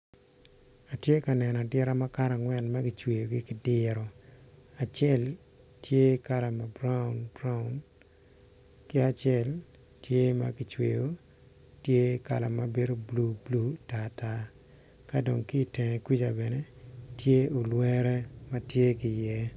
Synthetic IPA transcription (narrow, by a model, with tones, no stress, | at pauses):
a˨tje˦ka˨nɛ˨nɔ˨dɪ˦ɾa˦ma˦ka˦ɾa˨ŋwɛ˨nma˦kɪ˨t͡ʃwe˨jo˨ɡi˦kɪ˦dɪ˦ɾɔ˨a˨t͡ʃɛ˦l | tje˦ka˦la˨ma˨bɾa˦ʊ˨nbɾa˦ʊ˨n | kɪ˦a˨t͡ʃɛ˦˨l | tje˦ma̰˦kɪ˨t͡ʃwḛ˨jo˨ | tje˦ka̰˨la˨ma˦be˦ɾo˦blu˦blu˦ta˨ta˦ | ka˦do˨ŋki˦˨te˨ŋe˨ki˦d͡ʒa˨bɛ˨ne˦ | tje˦o˨lwe˦ɾɛ˦ma˦tje˦ki˨jɛ˦